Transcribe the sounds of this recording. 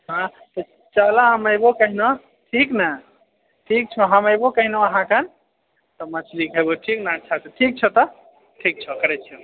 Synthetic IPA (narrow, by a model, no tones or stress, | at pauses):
ɦã | t̪ɔ | t͡ʃaɦlaɦəməjbokəɦino | ʈʰikna | ʈʰik̚t͡ʃʰɔɦəməjbokəɦinoəɦãkən | t̪ɔmət͡ʃʰlikɦeboʈʰiknaətːt͡ʃʰat̪ɔʈʰik̚t͡ʃʰɛt̪ɔ | ʈʰik̚t͡ʃʰɛkəɾɛt͡ʃʰɛ